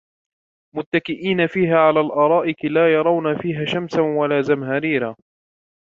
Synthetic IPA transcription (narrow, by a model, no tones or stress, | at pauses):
mʊt̪ːakɪʔiːnafiːɦaːʕalaːlʔɑːɾˤɑːʔɪkɪlaːjɑɾˤɑwnafiːɦaːʃamsawalaːzamɦaɾiːɾaː